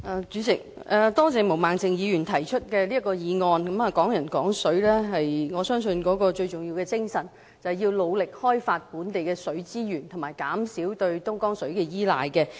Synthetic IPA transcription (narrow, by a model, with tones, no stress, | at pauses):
ʔaː˨t͡ʃyː˨˧˥sɪ˨˩k̚ | ʔɛ˨t̪ɔː˥t͡sɛː˨˧mo˨˩wmaː˨ŋt͡sɪ˨ŋjiː˨˧jyː˨˩nt̪ʰɐ˨˩jt͡ʃʰɵ˥t̚kɛː˧liː˥ɐ˥kːɔː˧jiː˨˧ŋɔː˧nkɐ˨˥mɐ˨kɔː˨˥ŋjɐ˨˩nkɔː˨˥ŋsɵ˨˥ɥlɛː˥ɦɐ˨jŋɔː˨˧sœː˥ŋsɵ˧nkɔː˨˥kɔː˧t͡ʃɵ˧ɥt͡sʊ˨ŋji˧wkɛː˧t͡sɪ˥ŋsɐ˨˩n | t͡sɐ˨jiː˧wlo˨˧wlɪ˨k̚hɔː˥jfaː˧t̚puː˨˥nt̪e˨jkɛː˧sɵ˨˥ɥt͡siː˥jyː˨˩nt̪ʰʊ˨˩maː˨˩jkaː˨˥msiː˨˥wt̪ɵ˧ɥt̪ʊ˥ŋkɔː˥ŋsɵ˨˥ɥkɛ˧jiː˥la̰ː˨˧jkɛ˧